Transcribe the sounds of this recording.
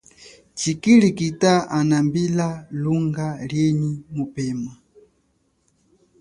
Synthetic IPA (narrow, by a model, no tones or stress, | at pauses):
t͡ʃikilikitaanambilaluŋɡaljenimupɛma